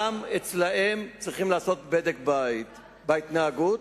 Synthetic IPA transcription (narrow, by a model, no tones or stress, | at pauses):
amet͡slahe̞mt͡sʁiχimlaːso̞t̪̚bedekba | bait̪naːɡut